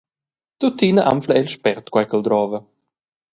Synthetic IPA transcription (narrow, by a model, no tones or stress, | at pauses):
t̪ut̪ːiːnəʔa̰mfləɛlʃpɛɾt̪kwajkəld̪ɾɔːvə